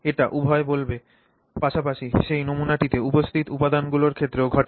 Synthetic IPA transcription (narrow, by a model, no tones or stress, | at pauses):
eʈaʔubʱɔebolbe | paʃapaʃiʃejnomunaʈit̪eupost̪ʰit̪upad̪anɡuloɾkʰet̪ːɾeoɡʱɔʈ